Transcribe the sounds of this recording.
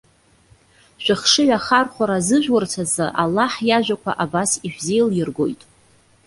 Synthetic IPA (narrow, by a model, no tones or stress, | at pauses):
ʃᶣaχʂɨɥᶣaχarχʷaɾazɨʒᶣwart͡sʰazɨʔalːaħjaʒʷᶣakʷʰa̰ʔabasiʃᶣzejljɪrɡo̞̰jtʼ